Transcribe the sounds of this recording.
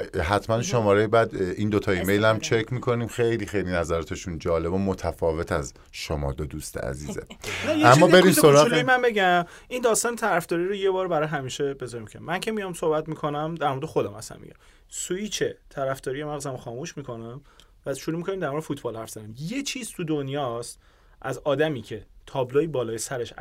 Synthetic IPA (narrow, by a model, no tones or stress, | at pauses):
ɦæt̪ʰmænʃomɒːɾejibæd̪iːnd̪ot̪ʰɒimejlæmt͡ʃʰecʰmikʰo̞niːmxejlixejlinæzæɾɒːt̪ʰeʃund͡ʒɒːle̞bomot̪ʰæfɒːve̞t̪ʰæz | ʃomɒ̰ːd̪od̪ust̪ʰḛæ̰ziːzḛnjeæmːɒːbe̞ɾiimssoɾɒumænbe̞ɟæm | ind̪ɒːst̪ɒːnet̪ʰæɾæfd̪ɒːɾiɾoje̞bɒːɾbæɾɒːjɦæmiːʃebe̞zɒɾimicʰeimːæncʰe̞mijɒmso̞hbæt̪mikʰo̞næmd̪æɾmoɾd̪exo̞d̪æmhæ̰sæ̰mːḭɟæ̰m | suit͡ʃʰet̪ʰæɾæfd̪ɒːɾijemæɣzæmxɒːmuːʃmiːkʰo̞næm | væʃuɾumikʰo̞niːmd̪æɾmoɾd̪efuːt̪ʰbɒːlhæɾfz̥æd̪imje̞t͡ʃʰiːz̥t̪ʰud̪onjɒːst̪ | ʔæzɒːd̪æmiːcʰe̞t̪ʰɒːbloibɒːlɒːjesæɾeʃ